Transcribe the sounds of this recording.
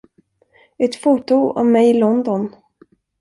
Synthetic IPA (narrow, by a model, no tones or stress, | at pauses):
ɛt̪fuːt̪ʊɔ̰mːɛjɪlɔnd̪ɔn